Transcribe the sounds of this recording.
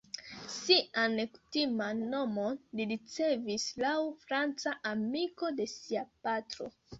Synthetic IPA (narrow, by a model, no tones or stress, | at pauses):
siʔanku̥timano̞moliɾit͡se̞vislawfɾant͡saʔamiko̞de̞siapatɾo̞̰